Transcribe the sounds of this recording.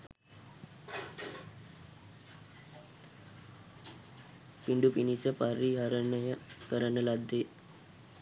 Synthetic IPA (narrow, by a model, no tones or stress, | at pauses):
piɳɖupinisəpaɾiaɾənəjəkəɾənəlad̪ːe